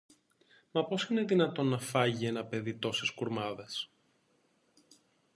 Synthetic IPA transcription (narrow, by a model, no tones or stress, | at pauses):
mɐpo̞sineðinɐt̪o̞nːɐfɐʝie̞nɐpe̞ðit̪o̞seskuɾmɐðe̞s